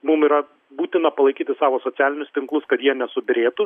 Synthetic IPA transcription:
mʊmiːɾɐ | buːt̪ʲɪnɐpɐlˠɐɪkʲiːt̪ʲɪsɑːʋoːsoːtt͡s̪ʲæːlʲɪnʲʊst̪ʲɪŋklˠʊskɐt̪jiɛnʲɛsʊbʲɪɾʲeːt̪ʊ

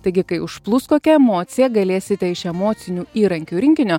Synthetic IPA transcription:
t̪ɐɪɡʲɪkɐɪʊʃplˠʊskoːkʲɛɛmoːt̪sʲɪjɛɡɐlʲeːsʲɪt̪ʲɛɪʃɛmoːt̪sʲɪnʲuːiːɾɐŋʲkʲuːɾʲɪŋʲkʲɪnʲoː

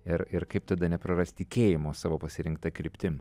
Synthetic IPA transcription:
ɪɾɪɾkɐɪp̚t̪ɐd̪ɐnʲɛpɾɐɾɐsʲt̪ʲɪkʲeːjɪmoːsɑːʋoːpɐsʲɪɾʲɪŋkt̪ɐkɾʲɪpʲt̪ʲɪm

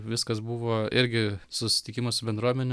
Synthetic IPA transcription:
ʋʲɪskɐs̬buʋoːɪɾʲɡʲɪsʊsʲɪ̥t̪ʲɪkʲɪmɐsʊbʲɛnd̪ɾuɔmʲɛnʲɪ

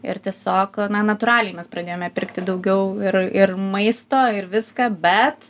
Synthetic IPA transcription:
ɪ̰ɾt̪ʲiɛsʲoːknɐnɐt̪ʊɾɑːlʲɛjmʲɛsprɐd̪ʲeːjoːmʲɛpʲɪɾkt̪ʲɪd̪ɐʊɡʲɛʊɪɾɪɾmɐɪst̪oːɪɾʋʲɪskɐːbʲɛt̪

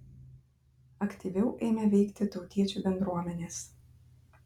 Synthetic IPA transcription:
ɐkʲt̪ʲiʋʲɛʊʔɛɪmʲɛʋʲɛɪkt̪ʲɪt̪ɒʊt̪ʲiɛt͡ʃʲuːbʲɛnd̪ɾuɔmʲɛnʲeːs

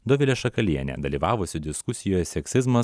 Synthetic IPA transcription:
d̪ɔʋʲɪlʲɛʃɐkɐlʲiɛnʲɛ̰d̪ɐlʲiːʋɑːʋʊsʲɪd̪ʲɪskʊsʲɪjoːjɛsʲɛkʲsʲɪzmɐ

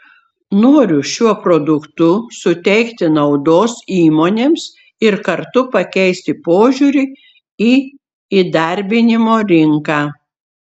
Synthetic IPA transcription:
noːɾʲʊʃʲuɔpɾod̪ʊkt̪ʊsʊt̪ʲɛɪkt̪ʲɪnɐʊd̪oːsiːmoːnʲeːms | ɪɾkɐɾt̪ʊpɐkʲɛɪsʲt̪ʲɪpoːʒʲuːɾʲɪ | iː | iːd̪ɐɾʲbʲɪnʲɪmoːɾʲɪŋkaː

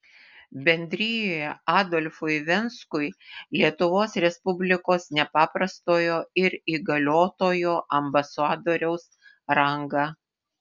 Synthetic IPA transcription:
bʲɛnʲd̪ʲɾʲɪjoːjɛʔɑːd̪ɔlʲfʊɪʋʲɛnskʊɪlʲiɛt̪ʊʋoːsɾʲɛspʊbʲlʲɪkoːsnʲɛpɑːpɾɐst̪oːjoːɪɾiːɡɐlʲoːt̪oːjoːʔɐmbɐsɑːd̪oːɾʲɛʊs | ɾɐŋɡɑ

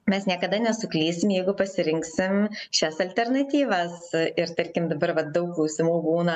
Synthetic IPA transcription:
mʲɛsnʲiɛkɐd̪ɐnʲɛsʊklʲiːsʲɪmjɛɪɡʊpɐsʲɪɾʲɪŋksʲɪmʃʲɛsɐlʲt̪ʲɛrnɐt̪ʲiːʋɐsɪɾt̪ɐɾʲkʲɪmd̪ɐbɐɾʋɐt̪̚d̪ɐʊkklˠɐʊsʲɪmuːbuːnɐ

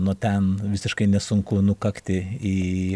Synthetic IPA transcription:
nʊt̪ʲɛnʋʲɪsʲɪʃkɐɪnʲɛsʊŋkʊnʊkɐkt̪ʲɪiː

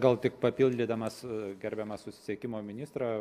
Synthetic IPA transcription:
ɡɐlˠt̪ʲɪkpɐpʲɪlʲd̪ʲɪd̪ɐmɐsɡʲɛɾʲbʲɛmɐssʊsʲɪ̥sʲiɛkʲɪmoːmʲɪnʲɪst̪ɾɑː

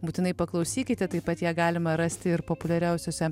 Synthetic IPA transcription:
buːt̪ʲɪnɐɪpɐklˠɐʊsʲiːkʲɪt̪ʲɛt̪ɐɪpɐt̪jæːɡɑːlʲɪmɐɾɑsʲt̪ʲɪɪɾpopʊlʲɛɾʲɛʊsʲoːsʲɛ

